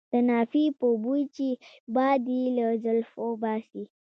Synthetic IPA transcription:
d̪̥ənɑfipobut͡ʃibɑd̪ilazəlfobɑsi

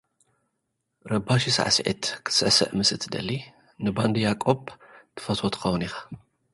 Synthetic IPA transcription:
ɾɐbaʃisa̰ʕa̰sʕḭt̪kʰɨ̥sɨʔsɐ̰ʔmɨsɨt̪ʰd̪ɐ̰lːi | nɨband̪ɨjakʼobt̪ʰɨ̥fɐt̪ʰot̪ʰɨ̥xɐwunixḁ

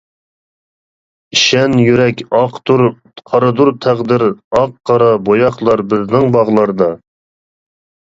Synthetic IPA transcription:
iʃɛnjyɾɛkʲɑqt̪uɾ | qʰɑɾɨd̪uɾt̪ʰæʁd̪ɪɾɑqːɑɾɑbojɑχlˠɑɾbɪznɪŋbɑʁlˠɑɾd̪ɑ

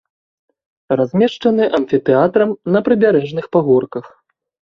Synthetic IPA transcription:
razʲmʲɛʂt͡ʂɐnɨʔɐmʲfʲit̪ɛat̪ɾɐmnɐpɾɨbʲaɾɛʐnɨxpaɣɔrkɐx

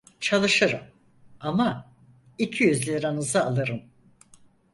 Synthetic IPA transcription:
t͡ʃʰalˠɯʃɯɾɯ̰m | ama | icʰijyzlʲeɾanɯzɯalˠɯɾɯm

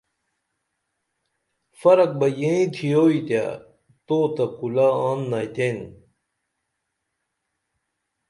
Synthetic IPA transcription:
fɐɾɐk̚bɐjẽĩt̪ʰijoːit̪ja̰ | t̪oːt̪ɐkulaːaːnːajt̪eːn

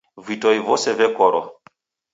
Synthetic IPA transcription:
vitɔjvɔsɛvɛkɔɾɔ̰

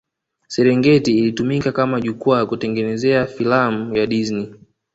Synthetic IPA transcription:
sɛɾɛŋɡɛtiːlitumikakamaʄukuakutɛŋɡɛnɛzɛafilamujaɗizni

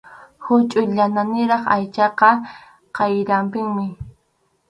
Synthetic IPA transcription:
hʊt͡ʃʼʊʎananɪɾɑχajt͡ʃɑqɑ | qɑjɾampɪŋmɪ

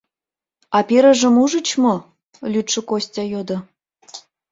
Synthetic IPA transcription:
ɑpʲeɾə̆ʒə̆muʒə̆t͡ɕmo | lʲyt̪ʃə̆kosʲtʲɑjod̪ɤ̆

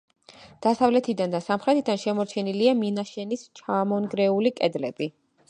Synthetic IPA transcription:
d̪̥asavlɛt̪ʰid̪and̪asamχɾɛt̪ʰid̪anʃɛmɔɾt͡ʃʰɛniliaminaʃɛnist͡ʃʰamɔnɡɾɛulikʼɛd̪lɛb̥i

